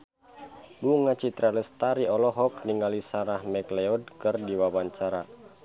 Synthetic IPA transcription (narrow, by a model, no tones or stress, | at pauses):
buŋat͡ʃit̪ɾaləst̪aɾiɔlɔɦɔkniŋalisaɾahmɛklɛɔd̚kɨrdiwawaɲt͡ʃaɾa